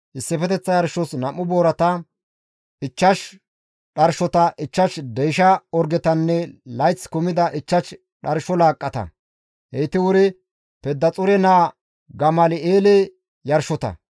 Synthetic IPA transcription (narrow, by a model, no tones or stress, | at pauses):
ʔɪsːɛfɛt̪ɛt͡sːɐjɐɾʃɔsnɐmːʊboːɾɐt̪ɐ | ɪt͡ʃːɐʃ | ɗɐɾʃɔt̪ɐʔɪt͡ʃːɐʃd̪ɛjʃɐɔɾɡɛt̪ɐnːɛlɐjt͡sːkʊmɪd̪ɐʔɪt͡ʃːɐʃ | ɗɐɾʃɔlaːkʼːɐt̪ɐ̰ | hɛjt̪ɪwʊɾɪ | pɛd̪ːɐt͡sʼʊɾɛnaː | ɡɐmɐlɪeːle | jɐɾʃɔt̪ɐ̰